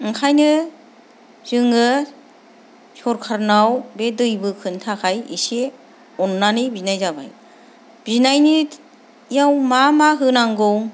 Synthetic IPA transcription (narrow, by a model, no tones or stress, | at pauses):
ɯŋkʰajnɯ | z̥ɯŋɯ | sɔɾkʰaɾnawbedɯjbɯkʰɯntʰakʰajḭse | ɔnːanibinajzaba̰j | b̥iznajni | jawmamaɦɯnaŋɡɯw